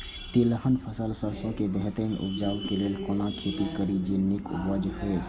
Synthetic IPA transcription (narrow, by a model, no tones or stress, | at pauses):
t̪ɪləɦənpʰəsəlsəlsõkebɛɦt̪əmeʔʊpd͡ʒaːlkeleːlkolãkʰeːt̪ikəɾid͡ʒenɪkːəd͡ʒhɛː